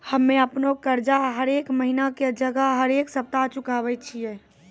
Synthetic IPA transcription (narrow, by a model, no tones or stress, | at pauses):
həmːẽəpnokəɾd͡ʒaɦəɾeːkməɦinaked͡ʒəɡəɦəɾeːksəp̚t̪at͡ʃʊkaʋɛt͡ʃʰiɛː